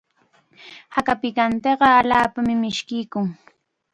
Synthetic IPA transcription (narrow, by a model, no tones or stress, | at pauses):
hakapɪkant̪eɢɑaʎaːpamɪmɪʃkɪjkʊŋ